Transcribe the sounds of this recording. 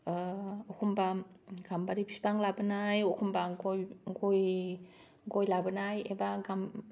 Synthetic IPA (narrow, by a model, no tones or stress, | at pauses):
okʰumbaɡ̥ambaɾipʰisbaŋlabɯnajokʰumbaɡojɡoj | ɡojlabɯnajebaɡam